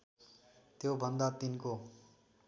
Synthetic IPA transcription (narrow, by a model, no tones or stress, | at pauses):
t̪jobʱʌnd̪at̪inko